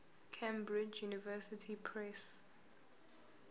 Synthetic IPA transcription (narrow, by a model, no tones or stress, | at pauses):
kʰẽmbɹid͡ʒjunivɛsitʰipʰɹɛs